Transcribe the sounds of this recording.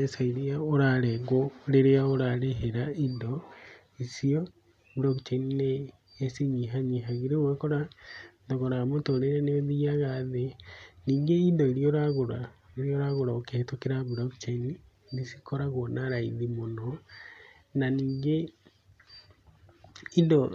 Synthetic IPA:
esaiɾeaoɾaɾɛɣoɾeɾeaoɾaɾeɦeɾaindɔ | isiɔ | bulɔkt͡ʃenineː | siɲiɦaɲiɦaɣiɾeɣwɛkɔɾandoɣoɾamotoɾeɾeneeðiaɣaðeniːŋɡeindɔeɾiɔɾaɣoɾaeɾijɔɾaɣoɾaoketokeɾabulɔkt͡ʃen | disi̥kɔɾaɣɔnaɾaiðimono | naniːŋɡe | indɔ

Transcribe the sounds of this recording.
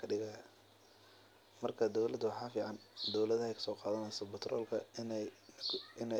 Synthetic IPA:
ɐɖɪɣɐjɐ | mɐrkʰɐd̪ɔwlɐd̪wɑħɑːfiːʕɑnd̪ɔwlɐðɐɛjkʰɐ̥sɔːqɑːðɐnɛjsɐbʊt̪ʰrʔɔ̰ːlkʰɐn | ɪnɛ

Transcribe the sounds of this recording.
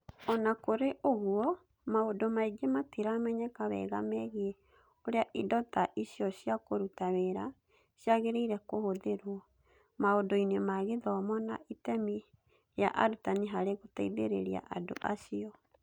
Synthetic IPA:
ɔnakoɾeʔoɣuɔ | maodomaiɡematiɾamɛɲɛkaβɛ̰ɣamɛɣie | oɾeaʔidɔtaʔisiɔɕjakoɾutaweɾa | sjaɣeɾeiɾɛkohoðeɾwɔ | maondoinɔmaɣeðɔmɔna̰ʔitɛmi | ja̰ʔa̰ɾutaniɦaɾeɣotaiðḛɾḛɾia̰ʔado̰ʔasiɔ

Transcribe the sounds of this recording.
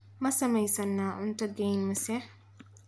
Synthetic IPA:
mɐsɐmɐjsɐnːaːʔʊnt̪ɐɡɛjnmɐsɛħ

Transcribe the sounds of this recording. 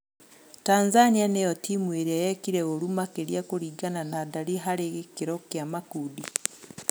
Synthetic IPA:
tanzanianejotimweɾiajekiɾeoɾumakeɾiakuɾiɡananadaliɦaɾeɣkiɾokjamakudi

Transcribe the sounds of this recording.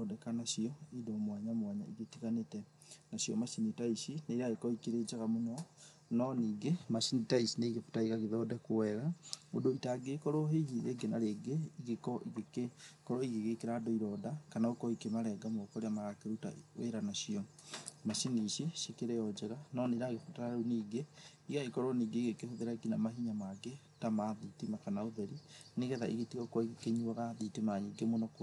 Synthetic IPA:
ɔdɛkanasiɔidɔmwaɲamwaɲa̰iɣekiɣanetɛ | naɕiɔ̰masinitaisinaiɾaɣekɔikeɾed͡ʒaɣamonɔ | nɔniːɡemasinitaisineiɣepe̥taiɣaɣeðɔdɛkowɛɣaodoitaɡekɔɾoɦeɣieɡenaɾeɡeiɣekɔʔiɣekekɔɾɔiɣeɣekeɾadɔiɾɔdakanaokɔikemaɾɛɡamɔkɔɾeamaɣakeɾuta̰wḛɾanaʃiɔ | maʃiniʃiʃekeɾɛjɔd͡ʒɛɾanɔniɾaɣeotaɾaɾuniːɡe | iɣaikɔɾɔniːɡeiɣekehoðeɾaiɡinamaɦiɲamaɡe | tamaðitimakanaoðeɾiniɣɛðaʔiɣetiɣɔkwɔiɣekeɲuaɣaðitimaɲiɡemonɔko

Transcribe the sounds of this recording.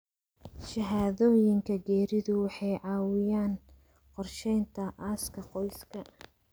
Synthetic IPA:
ʃɐɦaːðɔːjɪŋkʰɐɡɛːɾɪðʊwɑħɑjʕɑːwɪjaːn | qɔrʃɛjnt̪ʰɐʔaːskʰɐqɔjskʰɐ

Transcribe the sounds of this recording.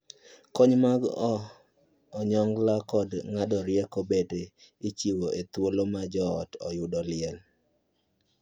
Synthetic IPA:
kɔɲmaɡɔː | ɲɔŋlakɔdŋadɔɾjɛkobedeit͡ʃiwoʔet̪wolomad͡ʒɔːtɔ̰jʊdɔlɪɛl

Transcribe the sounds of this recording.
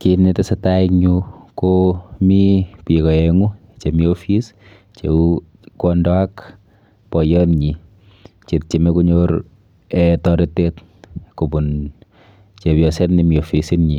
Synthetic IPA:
kinetesɛtaiɲukomipikɔeŋu | t͡ʃemiofis | t͡ʃḛu | kwɔndɔak | pɔjɔnɲi | t͡ʃet̚t͡ʃemekuɲoɾ | ɛtɔɾetek | kubun | t͡ʃepjɔsɛtnimiofisinɲi

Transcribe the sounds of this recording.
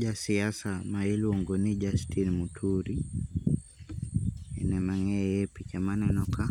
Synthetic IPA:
d͡ʒasiasamailuɔŋɡɔnid͡ʒastinmutʰuɾi | ɛ̰nɛmaŋɛjɛpit͡ʃamanɛnɔka

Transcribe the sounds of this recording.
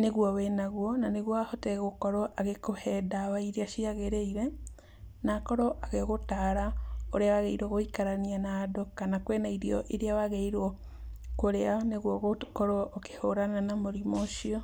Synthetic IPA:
neɣwɔwenaɣwɔnaneɣwɔahotɛɣokɔɾɔʔaɣekohɛdawaiɾeaʃiaɣeɾeiɾɛ | nakɔɾɔʔaɣeɣotaɾaoɾeawaɣeiɾwɔɣoikaɾanianadokanakwenaiɾiɔ̰ʔeɾeawaɣeiɾɔ | koɾeaneɣwɔɣokɔɾwɔʔoke̥hoɾananamoɾimoʃiɔ

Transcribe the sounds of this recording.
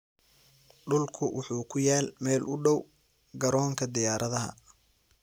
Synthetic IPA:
ɖʊlkʰʊwʔʊħuːkʰʊjaːlmɛːlʔʊɖɔw | ɡɐɾɔːŋkʰɐd̪ɪjaːɾʔɐðɐɦɐ̰

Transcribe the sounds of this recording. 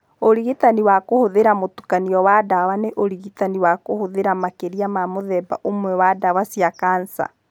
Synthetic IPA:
oɾiɣitaniwakohoðeɾamotukaniɔwadawaneʔoɾiɣitaniwakohoðeɾamakeɾiamamoðɛbaʔomwɛwadawasiakaːnsa̰

